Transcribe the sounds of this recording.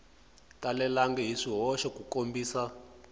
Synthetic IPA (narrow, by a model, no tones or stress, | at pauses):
talɛlaŋɡɛɦiʂiɦɔʃɛkukombiːsa